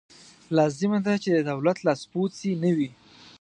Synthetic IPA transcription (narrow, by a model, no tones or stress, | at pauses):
lɑzɪmad̪at͡ʃed̪əd̪awlat̪lɑspot̪sinəwi